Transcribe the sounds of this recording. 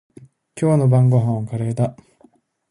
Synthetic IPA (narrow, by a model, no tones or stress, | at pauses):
kʲo̞ːnobãŋɡoɦãɰ̃kaɾe̞ːt̪a